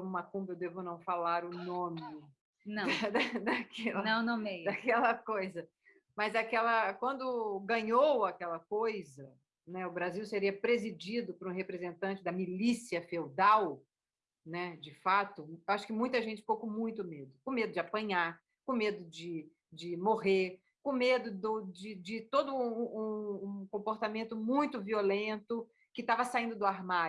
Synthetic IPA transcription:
õmumɐkũmbewd̪evʊnɐ̃w̃falaɾʊnõmɪ | nɐ̃w̃d̪ɐd̪akʰɛlɐnɐ̃w̃nõmejd̪akɛlɐkojzɐ | mɐzɐkɛlɐkwɐ̃nd̪ʊɡɐ̃ɲowakɛlɐkojzɐ | nɛʊbɾaziwseɾiɐpɾezid͡ʒid̪ʊpɾũɦepɾezẽnt̪ɐ̃t͡ʃɪd̪ɐmilisiɐfewd̪aw | nɛd͡ʒɪfat̪ʊaʃʊ̥kɪmũj̃t̪ɐʒẽnt͡ʃɪ̥pokõmũj̃t̪ʊmed̪ʊkõmed̪ʊd͡ʒɪapɐ̃ɲaɾ | kõmed̪ʊd͡ʒɪ | d͡ʒɪmoɦe | kõmed̪ʊd̪ʊd͡ʒɪd͡ʒɪt̪od̪ʊ̃ũũkõpoɾt̪amẽnt̪ʊmũj̃t̪ʊviolẽnt̪ʊ | kɪt̪avɐsaĩnd̪ʊd̪ʊaɾma

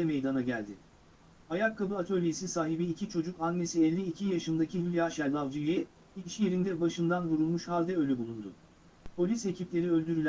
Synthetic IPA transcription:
ɛmejd̪anaɟælʲd̪ɪ | hajakʰːabɯat̪ʰø̞lʲje̞sisaːɦibiːcʰit͡ʃʰo̞d͡ʒukanmesiɛlʲːiːcʰijaʃɯnd̪acʰivʲilʲijaʃælʲlˠavd͡ʒijɛ | iiʃije̞ɾind̪ɛbaʃɯnd̪anvuɾulˠmuʃhalʲˠd̪ɛø̞lʲɛbulˠund̪ʊ̰ | pʰo̞lʲise̞cʰiplʲe̞ɾiø̞lʲd̪yɾylʲæ

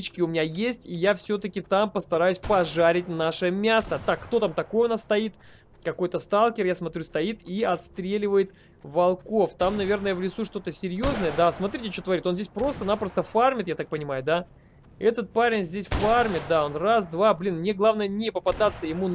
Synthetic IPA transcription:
t͡ɕkʲɪʊmʲɪnʲajesʲtʲijafsʲot̪əkʲɪt̪ampəst̪ɐɾajʉsʲpɐʐaɾʲɪt̚ʲnaʂəmʲasət̪akːt̪o̞t̪amt̪ɐko̞jəʊnasst̪ɐit̪ | kɐko̞jt̪əst̪alˠkʲɪrjasmɐt̪ɾʲust̪ɐit̪iɐt̪st̪ɾʲelʲɪvəjɪt̪ | vɐlˠko̞ft̪amnɐvʲe̞rnəjəvlʲɪsuʂt̪o̞t̪əsʲɪɾʲjo̞znəjəd̪asmɐt̪ɾʲitʲɪt͡ɕot̪əvɐɾʲit̪onzʲdʲesʲpɾo̞st̪ənapɾəst̪əfarmʲɪt̪jat̪ak̚pənʲɪmajʊd̪a | ɛt̪ət̪̚paɾʲɪnʲzʲdʲesʲfarmʲɪt̪̚d̪aonrasd̪vablʲinmnʲe̞ɡlˠavnəjənʲɪpəpɐd̪at̪sːəjɪmu

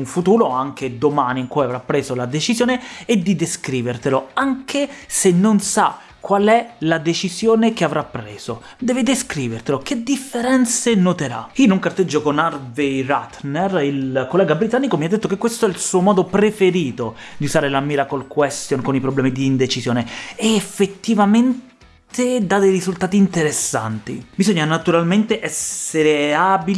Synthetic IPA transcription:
uɱfut̪uːɾoaŋkʰed̪omaːniŋkwajavɾapːɾeːzolad̪et͡ʃizjoːneːd̪ːid̪eskɾiːvert̪eloaŋkʰesenːonsa̰ | kːwalɛlad̪et͡ʃizjoːnekeavɾapːɾeːz̥o | d̪ɛːved̪eskɾiːvert̪eloked̪ifːeɾɛnt̪senot̪eɾa̰inoŋkart̪ed͡ʒːokonarvejrat̪nɛrilkolːɛːɡabɾit̪anːikomiad̪ːet̪ːokekːwest̪oɛilsuːomɔːd̪opɾefeɾiːt̪od̪iuzaːɾelamːiːɾakolkwɛst̪jonkonipɾoblɛːmid̪iːnd̪et͡ʃisjoːneɛːfːet̪ːivamen | t̪ed̪ad̪ejrizult̪aːt̪iːnt̪eɾesːa̰nt̪ḭbizoɲːanat̪uɾalment̪eʔɛsːeɾeabil

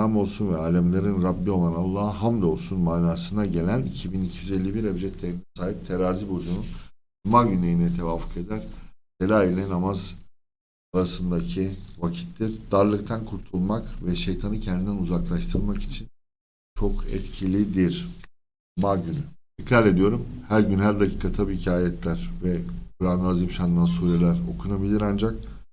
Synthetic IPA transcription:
amo̞lˠsunvɛaːlʲɛmlʲˠaɾɯnɾabːio̞lˠanalˠːaːɦamd̪o̞lˠsunmaːnaːsɯnaɟe̞lʲænicʰibinicʰijyzelʲːibiɾebd͡ʒɛt̪ʰːɛsaːɦip̚t̪ʰe̞ɾaːzibo̞d͡ʒunu | umaɟynlʲejinɛt̪ʰe̞vaːfu̥ke̞d̪æɾ̥d̪̥elʲaːilʲɛnamaz | aɾasɯnd̪acʰivacʰi̥t̪ʰlʲiɾd̪̥aɾlˠɯkt̪ʰankʰuɾt̪ʰulˠmakvɛʃejt̪ʰanɯcʰɛnd̪ind̪ɛnuzaklˠaʃt̪ʰɯɾˠmaki̥t͡ʃʰin | t͡ʃʰo̞kɛ̰t̪cʰilʲid̪iɾ | maɟynyt̪ʰicɾalʲe̞d̪ijo̞ɾumhæɾɟynɦæɾd̪acʰiːkʰat̪ʰabiicʰaːjɛt̪ʰlʲæɾ̥vɛkʰuɾand̪aːzimʃand̪ansuːɾelʲæɾo̞kʰunabilʲiɾand͡ʒak̚

